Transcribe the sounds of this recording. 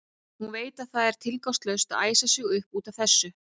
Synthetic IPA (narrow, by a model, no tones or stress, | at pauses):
hunveːjt̪aðθaðɛɾ̥t̪ʰɪlkawst̪lœwst̪aðaːjsasɪɣʏhpuːt̪av̥θɛsːʏ